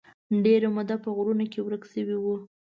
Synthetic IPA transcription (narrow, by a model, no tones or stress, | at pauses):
ɖeɾamʊd̪apəɣɾunakewɾəksəwiwu